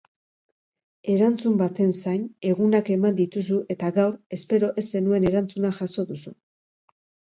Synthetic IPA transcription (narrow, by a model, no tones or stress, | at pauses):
e̞ɾant͡sumbat̪e̞nsajne̞ɣunake̞mand̪it̪us̬uʔe̞t̪aɣawɾe̞spe̞ɾo̞ʔe̞se̞nue̞ne̞ɾant͡sunaʝaso̞ðusu